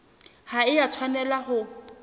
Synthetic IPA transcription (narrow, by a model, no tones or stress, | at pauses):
haɪjat͡sʰwanɛlahʊ